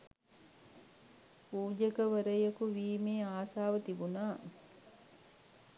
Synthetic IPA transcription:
puːd͡ʒekəʋəɾəjekuʋiːmeːaːsaːʋət̪ibunaː

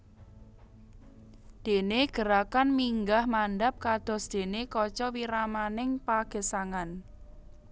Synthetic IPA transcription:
d̪̥e̤neɡ̥ə̤ɾakanmiŋɡahmanɖap̚kad̪̥ɔ̤sd̪̥e̤nekɔt͡ʃɔwiɾamanɪŋpaɡ̥ə̤saŋan

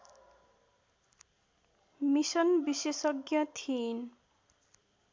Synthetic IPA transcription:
misʌnbisesʌɡjʌt̪ʰin

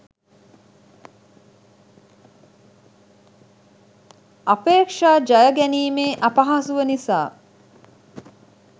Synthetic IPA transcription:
apeːkʂaːd͡ʒɐjəɡæniːmeːʔapɐɦasuʋənisaː

